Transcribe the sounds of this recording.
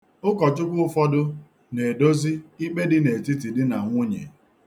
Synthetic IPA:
ʊ˦kɔ˨t͡ʃʊ˦kʷʊ˦ʊ˦fɔ˦dʊ˦ | ne˨do˦zi˦i˦k͡pe˦dɪ˦ne˨ti˦t̬i˨dɪ˦na˨ŋʷʊ˦ɲḛ˨

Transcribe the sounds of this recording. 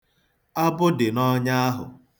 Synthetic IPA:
a˦bʊ˦dɪ˨nɔ˦ɲa˦a˦ɦʊ̰˨

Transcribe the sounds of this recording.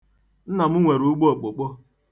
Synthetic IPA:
n̩˦na˨mʊ˦ŋʷe˨ɾuu˦ɡ͡bo˦o˨k͡po˨k͡pɔ˦

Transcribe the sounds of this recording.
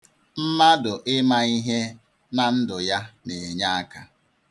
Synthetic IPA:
m̩˦ma˦dʊ˨ʔɪ˦ma˦i˦ɦe˦ | na˨n̩˦dʊ˨ja˦ne˨e˨ɲa˦a˦ka˦

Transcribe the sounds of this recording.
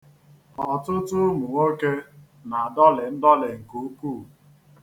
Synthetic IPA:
ɔ˨tʊ˦tʊ˦mʊ˨ŋo˦ke˦ | na˨a˨dɔ˦lɪ˨n̩˦dɔ˦lɪ˨ŋ̩˨ku˦kuː˦˨

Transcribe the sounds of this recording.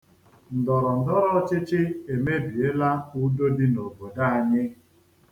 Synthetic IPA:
n̩˨dɔ˨ɾɔ˨n̩˨dɔ˦ɾɔ˦t͡ʃɪ˦t͡ʃɪ˦e˨me˦bi˨e˦la˦u˦do˦dɪ˦no˨bo˨da˦a˨ɲɪ˦

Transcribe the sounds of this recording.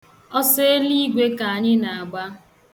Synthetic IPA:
ɔ˦se˦e˦li˦ɡʷe˦ka˨a˨ɲɪ˦na˨a˨ɡ͡ba˦

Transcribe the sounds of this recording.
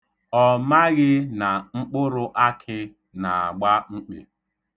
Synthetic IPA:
ɔ˨ma˦ɣɪ˦na˨ŋ͡m̩˦k͡pʊ˦ɾʊ˦ʔa˦kʰɪ˦ | na˨a˨ɡ͡ba˦ŋ͡m̩˦k͡pḛ˨

